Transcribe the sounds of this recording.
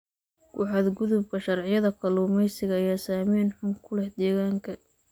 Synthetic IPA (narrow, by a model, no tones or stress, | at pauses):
kʊ̰ħɑd̪ɡʊðʊb̚kʰɐʃɐrʕɪjɐðɐkʰɐluːmɛjsɪɣɐːjaːsaːmiːnħʊŋkʰʊlɛħd̪ɛːɣaːŋkʰɐ